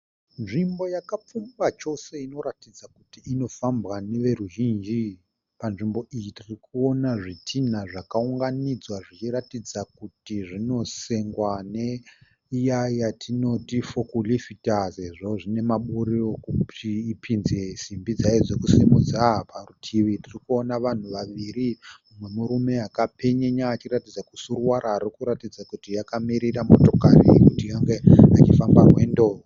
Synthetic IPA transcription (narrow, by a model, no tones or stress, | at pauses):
nʐimbo̞jakap͡fumbat͡ʃo̞se̞ino̞ɾatid͡zakutiːno̞fambɣane̞ʋe̞ɾuʒiːnd͡ʒi | panʐimbo̞ʔijitirikuo̞naʐitʰinaʐakauŋɡanid͡zwaʐit͡ʃiɾatid͡zakutiʐino̞se̞ŋɡwane̞ | ijajatʰino̞tifokulifitaze̞ʐo̞ʐine̞maɓuɾiokupiːpʰinzesimbid͡zaed͡zo̞kusimud͡zaparutʰiʋitirikuo̞naʋan̤uʋaʋiɾiumwe̞muɾume̞akape̞ɲeɲaːt͡ʃiɾatid͡zakusurwaɾaːrikuɾatid͡zakutijakamiɾiramo̞to̞karḭekutijaŋɡeat͡ʃifambamwe̞ːndo̞ː